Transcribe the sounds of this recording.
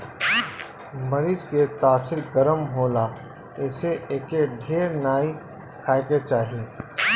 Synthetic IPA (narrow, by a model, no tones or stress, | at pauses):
mɐɾiːd͡ʒket̪aːsɪɾɡɐɾəmɦoːlaː | ɛːseʔeːkeɖʱeːɾnaːi | kʰaːjket͡ʃaːɦii